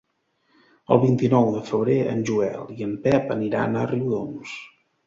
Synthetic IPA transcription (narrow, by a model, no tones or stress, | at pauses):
ə̰lˠβint̪inɔwðəfəβ̞ɾeʔə̰nʲʒuɛ̰lˠiəmpɛpəniɾa̰nəriwðons